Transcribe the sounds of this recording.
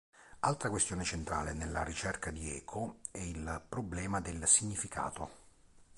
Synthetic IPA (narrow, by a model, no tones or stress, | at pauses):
alt̪ɾakwest̪joːnet͡ʃent̪ɾa̰ːlenelːa̰ɾit͡ʃɛrkad̪iɛ̰ːkʰoɛilpɾoblɛːmad̪elsiɲːifikʰa̰ːt̪o